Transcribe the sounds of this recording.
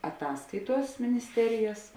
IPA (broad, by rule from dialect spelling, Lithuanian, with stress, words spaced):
ɐˈtɑːskɐɪˌtuɔs mʲɪnʲɪsʲˈtʲæːrʲɪjɛs